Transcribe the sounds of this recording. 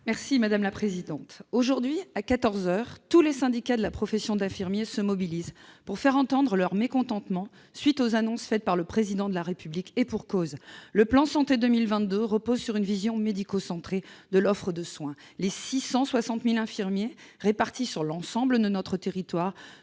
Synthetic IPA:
mɛʁsimad̪amlapχezid̪ɑ̃t̪oʒuʁd̪ɥiakat̪ɔʁzœːʁt̪ulesɛ̃d̪ikad̪əlapχɔfesjɔ̃d̪ɛ̃fiʁmjesəmɔbilizpuʁfɛʁɑ̃t̪ɑ̃d̪ʁəlœʁmekɔ̃t̪ɑ̃t̪mɑ̃ | sɥit̪ozanɔ̃sfɛt̪̚paʁləpχezid̪ɑ̃d̪əlaʁepyblikepuʁkozləplɑ̃sɑ̃t̪ed̪əmilvɛ̃t̪̚d̪øʁəpozsyʁynvizjɔ̃med̪ikosɑ̃t̪χed̪əlɔfχəd̪əswɛ̃ | lesisɑ̃swasɑ̃t̪milɛ̃fiʁmje | ʁepaʁt̪isyʁlɑ̃sɑ̃bləd̪ənɔt̪χət̪eʁit̪waːʁ

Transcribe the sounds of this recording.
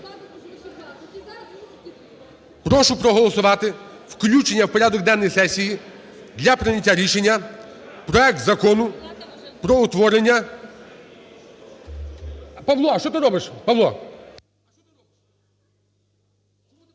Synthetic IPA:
pɾɔʃʊpɾɔɦɔlˠɔsʊʋɑt̪ɪwklʲut͡ʃenʲːɐwpɔɾʲad̪ɔk̚d̪ɛnːɔjsɛsʲiji | d̪lʲɐpɾɪnʲɐtʲːaɾʲiʃenʲːɐpɾɔɛk̚t̪zɐkɔnʊ | pɾɔʊt̪ʋɔɾenʲːɐ | pɐʋlˠɔʃt͡ʃɔt̪ɪɾɔbɪʃpɐʋlˠɔ

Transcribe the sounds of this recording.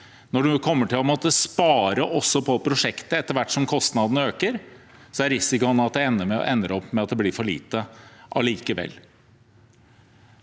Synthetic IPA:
nɔɖʉkʰɔmːəʈɪlɔmɔt̪əspɑːɾəʔɔsːɔpʰɔpʰɾʊʂɛkt̪əɛt̪ːəɾʋæʈːʂɔmkʰɔst̪nɑd̪ənəøːkəɾ | sɔæɾɪsɪkʊɑnːɑt̪̚d̪ɛɛnːəmɛɔ̰ʔɛnːəɾɔpːmɛɑt̪̚d̪ɛblɪɾfɔɭḭːt̪əʔɑ̰liːkəʋɛ̰lː

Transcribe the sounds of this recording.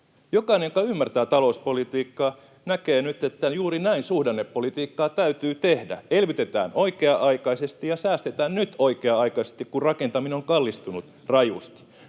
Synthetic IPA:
jokɑinejokɑymːært̪æːt̪ɑlo̞uspolit̪iːkːɑː | nækeːnyt̪et̪ːæjuːɾinæinsuhdɑnːepːolit̪iːkːɑːt̪æyt̪yːt̪ehdæ̰elʋyt̪et̪æ̰ːnʔo̞ikeɑʔɑikɑisest̪ijɑsæːst̪et̪æːnnyt̪oikeɑɑikɑise̥st̪ikkurrɑkent̪ɑmineoŋkɑlːist̪unut̪ | rɑjṵst̪

